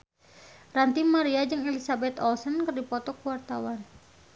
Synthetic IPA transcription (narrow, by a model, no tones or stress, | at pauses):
rant̪immaɾiad͡ʒəŋɛlisabɛt̪ɔlsənkərdipɔt̪ɔkuwart̪awan